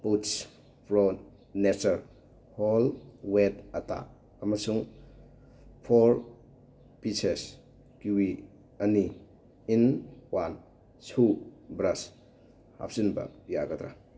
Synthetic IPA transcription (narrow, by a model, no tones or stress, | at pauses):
puts | pʰɾɔ | nesɐɾ | holwetɐta̰ | ɐmasuŋ | pʰoɾ | pises | kiwi | ɐni | inwan | subɾas | ha̰p̚sinbɐ̰jaɡɐdɾa̰